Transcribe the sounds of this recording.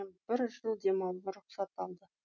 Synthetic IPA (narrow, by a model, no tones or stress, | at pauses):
nb̥ɪɾʒəlˠd̪e̞mɑw̪ˠnəɾʊχsɑt̪ɑlˠd̪ə